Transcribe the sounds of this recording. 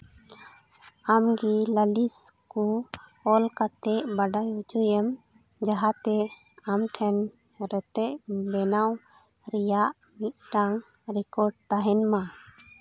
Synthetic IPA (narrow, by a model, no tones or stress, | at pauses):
amɡiləliskuɔlkat̪ɛʔbaɖajut͡ʃujɛm | d͡ʒaɦat̪ɛ | amʈʰɛn | ɾɛt̪ɛʔbɛnaw | ɾijaʔ | mit̪̚ʈaŋɾikɔɾɖ̚t̪aɦɛnmã